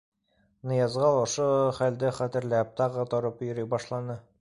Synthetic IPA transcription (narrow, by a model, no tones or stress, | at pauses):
nɤ̆jɑzʁɑlˠŏʃoχæld̪ɘχæt̪ɘ̆ɾlæp̚t̪ɑʁɤt̪oɾɤpjɵ̆ɾɘjbɒʃlˠɑnɤ